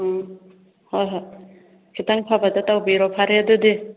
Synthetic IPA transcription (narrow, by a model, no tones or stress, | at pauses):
hɔjɦɔ | kitaŋpʰabadatawbiɾɔpʰaɾeadɯde